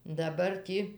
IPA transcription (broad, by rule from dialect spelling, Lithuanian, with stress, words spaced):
dɐˈbɐr ˈtʲiː